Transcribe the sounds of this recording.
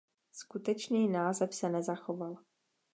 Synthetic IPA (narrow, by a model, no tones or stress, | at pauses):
skut̪ɛt͡ʃniːnaːzɛfsɛnɛzaxoval